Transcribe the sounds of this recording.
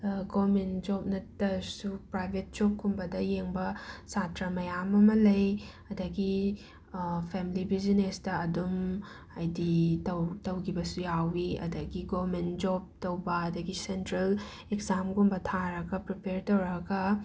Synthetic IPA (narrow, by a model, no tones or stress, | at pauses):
ɡomend͡ʒop̚nɐtːɐsupɾajbʱet̚d͡ʒokkumbɐdɐjeŋbɐsatɾɐmɐjamɐmɐlɐj | ɐdɐɡi | pʰemilibizinesdɐːdum | ɐjditɐwtɐwɡʰibɐsujawiɐ̰dɐɡiɡoɾmentd͡ʒob̚tɐwbɐɐdɐɡisentɾɐl | ekzamɡumbɐtʰaɾɐɡɐpɾipeɾtɐwɾɐɡɐ